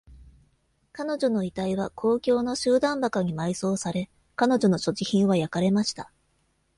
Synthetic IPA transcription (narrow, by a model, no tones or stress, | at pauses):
kano̞ʑo̞no̞it̪aiβakʰo̞ːkʲo̞ːno̞ɕɨːd̪ãmbakaɲ̟imaiso̞ːsaɾe̞ | kano̞ʑo̞no̞ɕo̞ʑiçĩɰ̃βajakaɾe̞maɕi̥t̪a